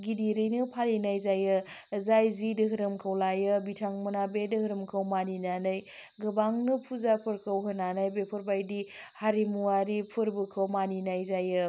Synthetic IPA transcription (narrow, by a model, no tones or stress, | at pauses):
ɡidiɾɯjnɯpʰalinajzajɯzajzidɯɦɯɾɯmkʰɯwlajɯbitʰaŋmɯnabedɯɦɯɾɯmkʰɯwmaninanɯjɡɯbaŋnɯpʰuzapʰɯɾkʰɯwɦɯnanajbepʰɯɾbajdihaɾimuwaɾipʰɯɾbɯkʰəwmaninajzajɯ